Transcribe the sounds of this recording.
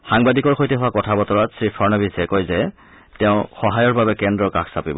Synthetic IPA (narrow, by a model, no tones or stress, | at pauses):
xaŋbadikɔɹxojtɛɦʊwakɔtʰabɔtɔɹatsɹipʰɔɹnɔbisɛkojzɛ | tɛʊ̃xɔɦajɔɹbabɛkɛndɹɔkaksapibɔ̰